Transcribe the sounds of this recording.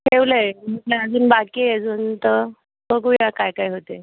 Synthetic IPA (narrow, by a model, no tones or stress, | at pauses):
ʈʰeʋləm̤əʈlaəd͡zuːnbakiəd͡zuːnt̪ə | bəɡujakajkaɦiɦot̪e